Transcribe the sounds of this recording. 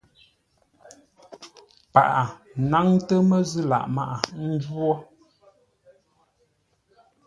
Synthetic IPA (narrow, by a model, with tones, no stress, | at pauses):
pa̰˨ʔa˨na˦ŋtə˦mə˦˨zɨ˦la̰˨ʔma˦ʔa˨n̩˦d͡ʒwɔ˦